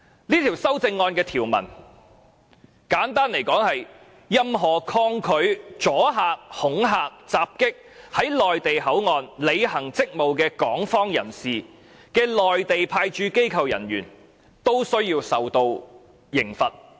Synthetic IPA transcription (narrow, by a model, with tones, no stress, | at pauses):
liː˥t̪ʰi˨˩wsɐ˥wt͡sɪ˧ŋːɔː˧nkɛː˧t̪ʰiː˨˩wmɐ̰˨˩n | kaː˨˥nt̪aː˥nle˨˩jkɔː˨˥ŋhɐ˨j | jɐ˧mɦɔː˨˩kʰɔː˧ŋkʰɵ˨˧˥ɥt͡sɔː˨˥ɦaː˨˧k̚hʊ˨˥ŋɦaː˧k̚t͡saː˨˧p̚kɪ˥k̚ | hɐ˨˥jlɔː˨jt̪e˨jɦɐ˨˥wŋɔː˨˧nle˨˧jɦɐ˨˩ŋt͡sɪ˥k̚mo˨wkɛː˧kɔː˨˥ŋfɔː˥ŋjɐ˨˩nsiː˨ | kɛː˧lɔː˨jt̪e˨jpʰaː˧jt͡ʃyː˧ke˥jkʰɐ˨˧wjɐ̰˨˩nɥyː˨˩n | t̪o˥wsɵ˥ɥjiː˧wsɐ˨wt̪o˧w | jɪ˨˩ŋfɐ˨t̚